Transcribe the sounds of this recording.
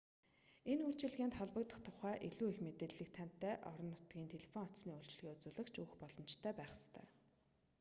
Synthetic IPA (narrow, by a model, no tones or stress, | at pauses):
enuɬt͡ɕɪ̆ɮɣeːnt̪χɔɮpə̆kt̪ə̆χt̪ʰʊχæːʔeɮuːexmet̪eːɮːɘ̆k̚t̪ʰæn̥t̪ːæːʔɔɾɞ̆nːʊt̪ɡʲiːnt̪ʰeɮʲefɔŋɔsniːuɮt͡ɕ̆ɮɣeːut͡sʊːɮə̆kt͡ɕuxpɔɮɞ̆mt͡ɕt̪ʰæːpæːχə̥st̪ʰœ̰ː